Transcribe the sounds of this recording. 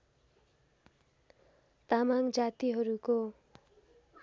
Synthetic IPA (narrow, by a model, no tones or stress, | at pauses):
t̪amand͡zat̪iɦʌɾuko